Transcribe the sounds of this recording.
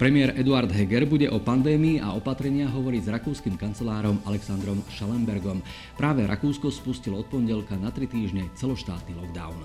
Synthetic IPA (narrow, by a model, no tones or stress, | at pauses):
pɾɛmɪɛɾʔɛd̪uaɾd̪ɦɛɡɛɾbuɟɛʔɔpand̪ɛːmiːʔa̰ɔpat̪ɾɛɲɪaɦɔʋɔɾiːzɾakuːskiːmkant͡sɛlaːɾɔmalɛksand̪ɾɔmʃalɛmbɛɾɡɔm | pɾʔaːʋɛɾʔa̰kuːskɔspuscilɔɔt̪̚pɔɲɟɛlkanat̪ɾit̪iːʒɲɛt͡sɛlɔʃt̪a̰ːt̪nilɔɡd̪a̰ʊn